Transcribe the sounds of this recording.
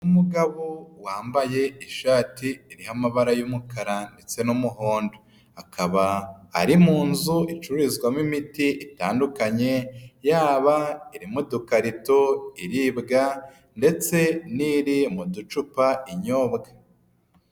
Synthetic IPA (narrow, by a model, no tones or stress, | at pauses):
umuɡaβowaːmbaje̞iʃaːtiːɾihamaβaɾajumukaɾande̞t͡se̞numuɦo̞ːndo | akʰaβa̰ːɾimuːnzuʔit͡ʃuɾizɡwamimitiʔita̰ːndukaɲe̞jaːβaiɾimudukaɾito̞iɾiːbɡa | nde̞t͡se̞niɾimudut͡ʃupaiɲo̞ːbɡḁ